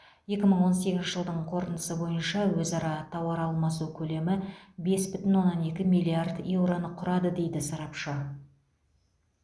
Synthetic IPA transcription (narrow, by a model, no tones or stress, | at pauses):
je̞kʲɪməɴwo̞nse̞ɡʲɪzʃɪʒəlˠd̪əɴqʰo̞ɾənd̪əsəbo̞jənʃɑwɵzɑɾɑt̪ʰɑwɑɾɑlˠmɑsukʲʰɵle̞mɪbe̞sbʏt̪ɪnwo̞nːɑne̞kʲɪmijlʲˠiard̪je̞wɾo̞nəqʰʊɾɑd̪əd̪e̞jd̪ɪsɑɾɑpʃə